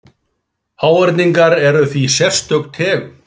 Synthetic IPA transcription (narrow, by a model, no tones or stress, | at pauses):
haːwɛɾt̪niŋkaɾɛɾʏθvisjɛr̥st̪œk̪t̪ʰɛːɣ